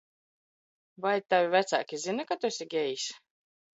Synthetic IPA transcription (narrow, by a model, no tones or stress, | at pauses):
vajt̪avʲivʲæt̪sa̰ːkʲizinakat̪usʲiɡʲɛjisʲ